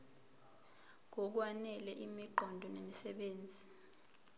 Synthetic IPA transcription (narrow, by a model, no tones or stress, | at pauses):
ŋɔk̬wanɛlɛʔimiǃʱɔndʱɔnemisɛɓeːnd͡zʱi